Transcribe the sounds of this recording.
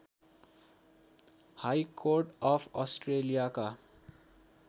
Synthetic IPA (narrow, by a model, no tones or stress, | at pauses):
hajkʰorʈʌpʰʌsʈrelijaka